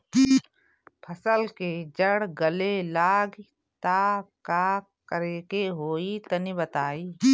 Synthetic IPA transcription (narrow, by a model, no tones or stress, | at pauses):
pʰɐsəlked͡ʒəɽɡəlelaːɡ | t̪akaː | kəɾeːkeɦoːit̪ɐnibɐt̪aːiː